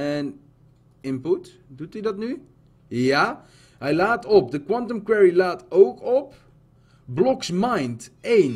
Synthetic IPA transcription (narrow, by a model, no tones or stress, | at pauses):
ɛn | ɪmput | dutydɑtny | jaː | ɦɛjlaːtɔp̚dəkwɑntəmkwɛɹilaːtowkɔp | blɔksmajntejn